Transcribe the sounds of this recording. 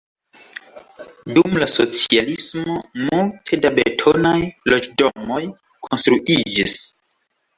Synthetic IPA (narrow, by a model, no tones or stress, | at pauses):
dumlaso̞t͡sialismo̞multʰe̞dabe̞̰tʰo̞najlo̞d͡ʒdo̞mo̞j | kʰonstɾuʔid͡ʒis